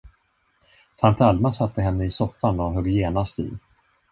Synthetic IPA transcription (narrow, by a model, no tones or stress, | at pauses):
t̪ʰant̪ʰalmasat̪ːəɦɛnːəɪsɔfːanɔɦœɡjeːnast̪ḭ